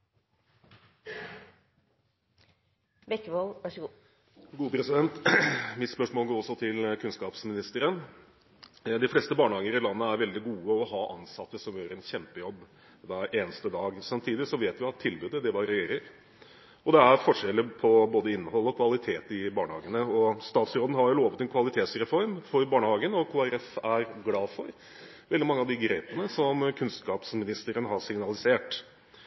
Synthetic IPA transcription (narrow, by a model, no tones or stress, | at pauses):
bɛkːəʋolʋɑʂɡuː | ɡuːəpʰɾɛsɪd̪ɛnt̪mɪt̪spœʂmoːlɡoːɔsːɔt̪ʰɪlkʰʉnskɑːpsmɪnɪst̪əɾən | d̪ɪfleːst̪əbɑːɳəhɑːɡəɾɪlɑnːəæɾʋɛld̪ɪɡuːəɔɦɑːʔɑ̰nsɑt̪ːəsɔmjøːɾəɾɛnçɛmpəjɔbː | d̪æʔeːnəst̪əd̪ɑːɡsɑmt̪ʰiːd̪ɪsɔʋeːt̪ʋɪɑt̪ʰːɪlbʉːd̪əd̪ɛʋɑɾɛjeːɾəɾ | ɔd̪ɛæɾfɔʂɛlːəpʰɔboːd̪əɪnːhɔlːɔkʰʋɑlɪt̪ʰeːt̪ɪbɑːɳəhɑ̰ːɡənəɔst̪ɑːt̪sɾoːd̪n̩hɑɾjʊloːʋət̪ɛnkʰʋɑlɪt̪ʰeːt̪sɾɛfɔɾmfɔɾbɑːɳəhɑːɡənɔkʰuːæɾɛfæɾɡlɑːfɔ̰ɾ | ʋɛld̪ɪmɑŋːəɑʋd̪ɪɡɾeːpənəsɔmkʰʉnskɑːpsmɪnɪst̪əɾənɦɑsɪŋnɑlɪseːʈ